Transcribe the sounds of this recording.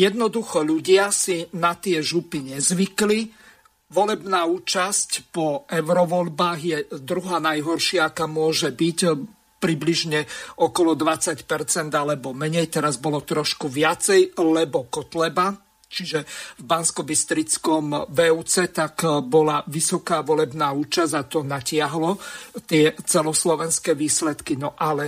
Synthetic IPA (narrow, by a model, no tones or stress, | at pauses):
jɛd̪nɔd̪uxɔʎuɟɪasinat̪ɪɛʒupiɲɛzʋikli | ʋɔlɛbnaːuːt͡ʃascpɔʔɛʊɾɔʋɔʎbaːɣjɛd̪ɾuɦaːnajɦɔɾʃɪaakaːmʊɔʒɛbic | pɾibliʒɲɛɔkɔlɔd̪ʋat͡sacpɛɾt͡sɛnd̪alɛbɔmɛɲɛjt̪ɛɾazbɔlɔt̪ɾɔʃkuʋɪat͡sɛjlɛbɔkɔt̪lɛba | t͡ʃiʒɛvbanskɔbist̪ɾit͡skɔmʋɛut͡sɛt̪akbɔlaʋisɔkaːʋɔlɛbnaːuːt͡ʃazat̪ɔnacɪaɦlɔt̪ɪɛt͡sɛlɔslɔʋɛnskɛːʋiːslɛt̪kinɔʔalɛ